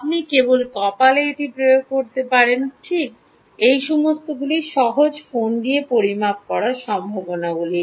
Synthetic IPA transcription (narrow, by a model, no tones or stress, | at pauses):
ap̚nikebolkɔpaleeʈipɾojoɡ̚koɾt̪epaɾenʈʰik̚ | ejʃɔmost̪oɡuliʃɔɦod͡ʑfond̪ijepoɾimap̚kɔɾaɾʃɔmbʱabonaɡuli